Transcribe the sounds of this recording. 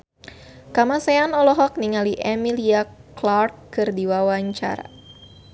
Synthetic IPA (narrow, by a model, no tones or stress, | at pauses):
kamasɛanɔlɔɦɔk̚niŋaliʔɛmiliaklarkːɨrdiwawaɲt͡ʃa̰ɾa̰